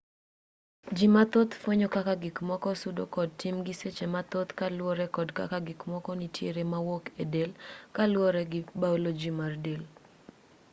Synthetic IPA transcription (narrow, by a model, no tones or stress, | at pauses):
d͡ʒimat̪ot̪fwoɲokakaɡɪkmɔkɔsudo̰kɔd̚tɪmɡiset͡ʃemat̪ot̪kalwɔɾɛkɔdka̰kaɡɪkmɔkɔnitʰjeɾemawokedelkalwɔɾɛɡɪbaulod͡ʒimardel